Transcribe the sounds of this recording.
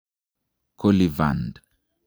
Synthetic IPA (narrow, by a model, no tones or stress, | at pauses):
kʰoliva̰nd